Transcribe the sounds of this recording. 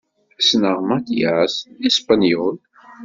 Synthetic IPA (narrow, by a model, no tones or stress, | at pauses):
snəʁmat̪jæsispanjul